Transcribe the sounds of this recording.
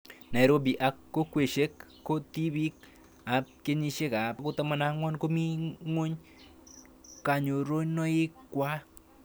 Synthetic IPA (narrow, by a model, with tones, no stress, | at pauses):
nɛ˨ɾo˦b̬i˨ʔa˧kːo˦kwe˨ʃe˦kːo˦ti˦bi˦k̚ | a˨p̚ke˦ɲi˧ʃe˦ka˨pko˦ta˦ma˦na˦ŋwɔ˦nko˦mi˦ŋo˦ɲ | ka˨ɲo˨ɾo˦ɲnɔ˦e˦kːwʷa˦